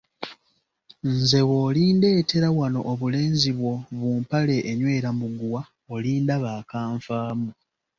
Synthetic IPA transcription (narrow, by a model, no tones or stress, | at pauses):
nze̞woːliːnde̞ːte̞ɾawano̞̰ʔoβule̞ːnziβwo̞βuːmpale̞ʔːɲwe̞ːɾamuɡuwa | oliːndaβaːkaːɱfaːmu